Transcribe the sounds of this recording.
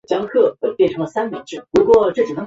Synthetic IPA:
t͡ɕjɑ˥ŋkʰɤ˥˩we˥˩pjɛ˥˩nʈ͡ʂʰɤ˧˥ŋlə˧sa˥nmjɑ̰˨˩ŋʈ͡ʂɻ̩˥˩lu˧˥kwɔ˥˧ʈ͡ʂɤ˥˩t͡ɕi˨˩nɤ˧˥

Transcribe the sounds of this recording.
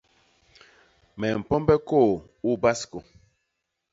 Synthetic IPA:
mɛ˨m̩˨pɔ˦mbɛ˦ko˦˨ | u˦ba˦sko˨

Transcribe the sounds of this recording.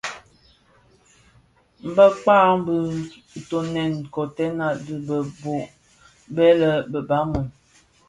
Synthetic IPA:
m̩˨bə˦k͡paː˦˨m̩˦bə˦˨ | to˨nɛ˨nkɔ˨tɛ˦na˨də˦bə˨bo˨ʔ | bɛ˦lə˨bə˨ba˨˦mu˨

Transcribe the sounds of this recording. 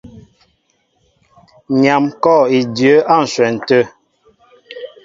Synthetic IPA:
ɲa˨mkɔ˦˨i˨djə˨˦a˦˨n̩˨swɛ˨n̩˨tə˦

